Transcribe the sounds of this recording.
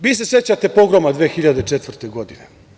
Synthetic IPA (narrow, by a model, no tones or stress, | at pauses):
ʋiːs̬e̞se̞t͡ɕat̪e̞po̞ɡɾomad̪ʋeːxiʎad̪et͡ʂet̪ʋr̩t̪eɡo̞d̪inḛ